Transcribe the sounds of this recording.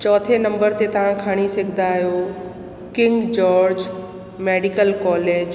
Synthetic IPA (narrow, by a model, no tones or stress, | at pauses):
t͡ɕɔːt̪ʰenɐ̃mbəɾt̪et̪ɐʋ̤ãkʰaːɽ̃isɐɡʱɪnd̪aːɦijoː | kɪ̃ŋɡd͡ʑɔːɾd͡ʑ | meːɖɪkəlkɔːleːd͡ʑ